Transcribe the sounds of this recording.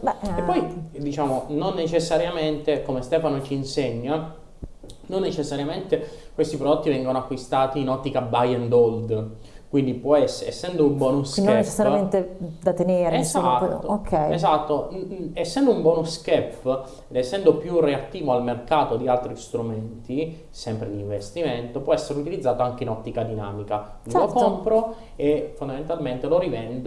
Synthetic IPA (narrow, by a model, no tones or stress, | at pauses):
bɛepːɔjd̪it͡ʃaːmononːet͡ʃesːaɾjament̪ekomest̪ɛːfanot͡ʃiːnseɲːa | nonːet͡ʃesːaɾjament̪ekwest̪ipɾod̪ot̪ːivɛŋɡonoakːwist̪aːt̪iːnɔt̪ːikabajɛnd̪ɔld̪ | kwind̪ipwɔɛsːesːɛnd̪oumbɔːnusknːet͡ʃe̥ssːaɾjament̪ed̪at̪eneːɾzat̪ːokʰːɛjezat̪ːoesːɛnd̪oumbwɔːnuskɛpː | ed̪esːɛnd̪opjureat̪ːiːvoalmerkaːt̪od̪ialt̪ɾist̪ɾument̪i | sɛmpɾed̪iɱvest̪iment̪opwɔɛsːeɾeut̪ilid̪zːaːt̪oaŋk̟einɔt̪ːikad̪ina̰ːmika | nlokompɾo | efond̪ament̪alment̪eloɾivɛnd̪